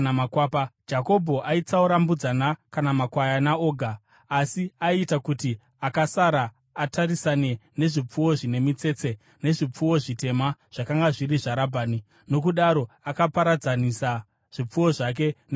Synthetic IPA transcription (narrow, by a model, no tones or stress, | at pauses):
amakwaːpad͡ʒako̞bʱo̞ʔait͡sauɾambud͡zanakanamakwajanao̞ːɡʱaː | siaitakuti | akasaɾaː | tʰarisane̞ne̞ʐip͡fuwo̞ʐine̞mit͡se̞t͡se̞ | ne̞ʐip͡fuwo̞ʐite̞maʐ̥akaŋɡaʐiɾiʐaɾabʱaːni | no̞k̬uɗaɾo̞ | akapaɾad͡zanisa | ʐ̥ip͡fuwo̞ʐak̬e̞n